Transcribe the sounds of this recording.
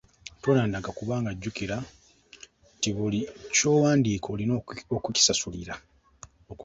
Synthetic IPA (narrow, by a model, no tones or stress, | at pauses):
tonaːndaɡakuβaːŋɡaɟːukiɾa | tiβulico̞ːwaːndiːkʰo̞ːlinokuci̥sasuliɾa | o